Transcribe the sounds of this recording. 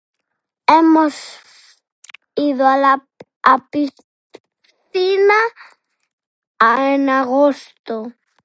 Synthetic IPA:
emos | iðʊala | api | θina | aenaɣost̪o

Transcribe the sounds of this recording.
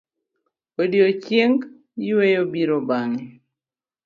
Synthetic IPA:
wediot͡ʃjeŋɡ | jiwejobiɾobaŋɛ

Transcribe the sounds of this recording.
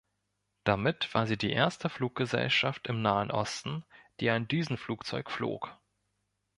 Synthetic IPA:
d̥amɪtv̥aːɐziːdiːʔeːɐstəfluːk̚ɡ̥əzɛ̰lʃaftɪmnaːənʔɔ̰stn̩d̥iːaɪndiːzn̩fluːkt͡sɔʏkflo̰ːk

